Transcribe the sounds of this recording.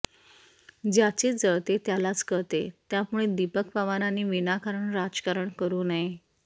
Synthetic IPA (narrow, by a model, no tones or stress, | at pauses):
d͡ʑjat͡ɕed͡zəɭt̪et̪jalat͡skəɾt̪et̪jamuɭed̪ipəkpəʋaɾanːiːʋinakaɾəɳɾad͡zkaɾəɳkəɾuːnae